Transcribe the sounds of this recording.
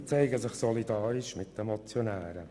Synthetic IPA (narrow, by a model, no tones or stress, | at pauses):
t͡sɛɪɡəsɪχsɔlidɑːɾɪʃmɪt̚d̥ɛmɔt͡sjonæːɾə